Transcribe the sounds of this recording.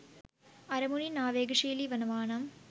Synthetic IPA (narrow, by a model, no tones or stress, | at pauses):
ɐɾɐmuninaːʋeːɡɐʂiːliʋɐnɐʋaːnɐm